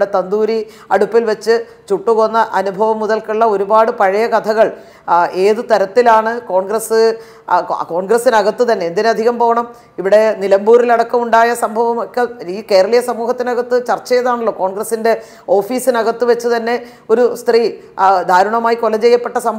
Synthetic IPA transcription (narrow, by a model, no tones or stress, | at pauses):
ɽet̪ɐnd̪uːɾi | ɐɽupːilʋet͡ɕːɨ | t͡ɕuʈːukonːɐʔɐnubʱɐʋɐmːuðɐlkiɭːɐo̞ɾubaːɽɨpɐɻɐjɐkɐt̪ʰɐɣɐɭ | e̞ːðɨt̪ɐɾɐt̪ːilaːɳɨko̞ːɳɡrɐsɨ | ko̞ːɳɡrɐsinɐɣɐt̪ːɨt̪ɐnːe̞eːnd̪inɨɐd̪ʱiɣɐmpo̞ːʋɐɳɐm | iʋiɽe̞nilɐmbuːrilɐɽɐkːɐmuɳɖaːjɐsɐmbʱɐʋɐmokːeike̞ːɾɐɭijɐsɐmuːɦɐt̪ːinɐɣɐt̪ːɨt͡ɕɐrt͡ɕːɐjɐðaːɳɐlːo̞ːko̞ːɳɡrɐsinde̞ | o̞ːfiːsinɐɣɐt̪ːɨʋet͡ɕːɨt̪ɐnːe̞ | o̞ɾust̪riː | d̪ʱaːɾuɳɐmaːjikolɐt͡ɕe̞jːɐpːe̞ʈːɐsɐmbʱ